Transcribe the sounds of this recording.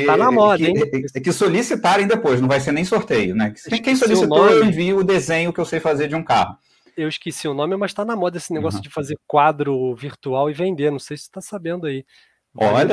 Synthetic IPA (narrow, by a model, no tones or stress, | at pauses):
anɐmɔd̪ɐɐẽkɪsolisit̪aɾẽj̃d̪epojʃnɐ̃w̃vajs̬eɾnẽj̃soɾt̪ejʊnɛkẽkẽj̃solisinõewẽviʊd̪ezẽɲʊkɪewsejfazeɾd͡ʒɪũka̰hʊ | ewɪʃkesiʊnõmɪmɐʃt̪anɐmɔd̪ɐesɪneɡɔsjʊd͡ʒɪfazeɾkwad̪ɾʊviɾt̪uawɪvẽnd̪enɐ̃w̃sejsɪ̥t̪asabẽnd̪ʊai | vɔʎɐ